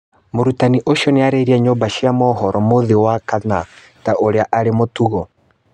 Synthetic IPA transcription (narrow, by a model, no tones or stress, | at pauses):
moɾutaniʔoʃɔneaɾeɾiaɲoːmbaʃiamɔɦɔɾɔmoðewakana̰ | taʔoɾeaʔaɾemotuɣɔ